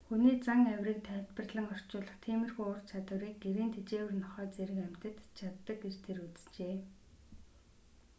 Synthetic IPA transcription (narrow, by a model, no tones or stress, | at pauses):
xuniːt͡saŋæwʲriːk̚t̪ʰæːwt̪pə̆rɮə̆ŋɔr̥t͡ɕʊːɮə̆χt̪ʰiːmɘ̆rxujʊrt͡ɕʰat̪wə̆ɾiːk̚ɡeɾiːnt̪ʰet͡ɕeːwɘ̆rnɔχœːt͡seɾɘ̆kæm̥t̪ə̆t̪t͡ɕʰat̪ːə̆kɡert̪ʰeɾut͡st͡ɕeː